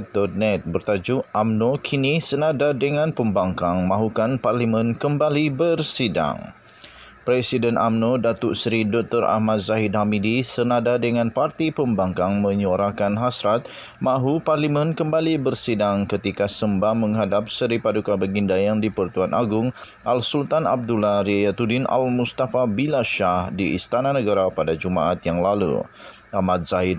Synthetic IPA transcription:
t̪ɔrnɛt̪̚bərt̪ad͡ʒuʔamnokʰinisənadadəŋãnpəmbaŋkaŋmãɦukanparlimənkəmbalibərsida̰ŋ | pɾɛsidənʔa̰mnodat̪uʔsɾidɔk̚t̪ɔra̰hmat̪̚zaɦid̪ɦamidisənadadəŋãnpart̪ipəmbaŋkaŋmə̃ɲaɾakanɦasɾat̪̚ | maɦuparlimɛnkəmbalibərsidaŋkət̪ikasəmbahməŋɦadap̚səɾipadukabəɡindajaŋdipərt̪uanʔaɡʊŋ | ʔalsult̪ana̰b̚dulaɾiajat̪udɪna̰lmust̪afabilaʃahdiʔḭst̪ananəɡaɾapadad͡ʒumaʔat̪jaŋlalṵ | ʔahmat̪̚z̥aɦɪd̪̚

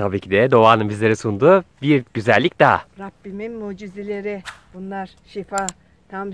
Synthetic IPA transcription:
t̪ʰabiːcʰid̪ɛd̪o̞vaːnɯnbizlʲe̞ɾɛsund̪ubiɾɟyzælʲːic̚d̪aɾabːiminmuːd͡ʒizelʲeɾɪb̥unlˠaɾ | ʃifaː | t̪ʰam

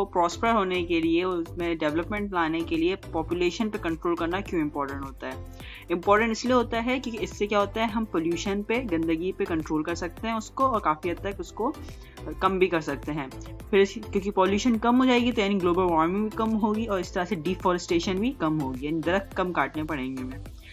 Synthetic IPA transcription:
opɾɔːspɾəɾɦoːnekelieʊʊsmẽɖɛʋləpmɛ̃ɳʈlaːnekeliepɔːpjuleːʃənpekɐ̃ɳʈɾoːlkɐɾnakjũɪ̃mpɔːɾʈə̃ɳʈɦoːt̪aɦɛː | ɪ̃mpɔːɾʈə̃ɳʈɪslieɦoːt̪aɦɛkjõːkiɪsːekjaːɦoːt̪aɦɛɦɐmpoːljuːʃənpezɪ̃nd̪əɡipekɐ̃ɳʈɾoːlkɐɾsɐk̚t̪eɦɛ̃ʊskoɔːɾkaːfiɦɐt̪ːɐkʊsko | kɐ̃mbʱikɐɾsɐk̚t̪eɦɛ̃ːpʰɪɾkjõːkipɔːljuːʃənkɐmɦoːd͡ʒaːeɡit̪ojaːniɡloːbəlʋaːɾmɪ̃ŋɡbʱikɐmɦoːɡiɔːɾɪst̪ɐɾaseɖiːfɔːɾəsʈeːʃənbʱikɐmɦoːɡijaːnid̪ɐɾəkkːɐmkaːʈnepɐɽẽːŋɡemẽː

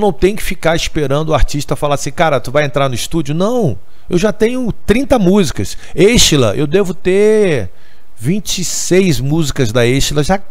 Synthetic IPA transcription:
nɐ̃w̃t̪ẽj̃ʊkɪ̥fikaɾispeɾɐ̃nd̪ʊaɾt͡ʃiʃt̪ɐfalaɾsĩkaɾɐt̪uvajẽnt̪ɾaɾnʊist̪ud͡ʒʊnɐ̃w̃ | ewʒat̪ẽɲʊt̪ɾĩnt̪ɐmuzikɐseʃilɐ̰ʔewd̪evʊt̪e | vĩt͡ʃisejzmuzikɐzd̪ɐeʃilɐʒa

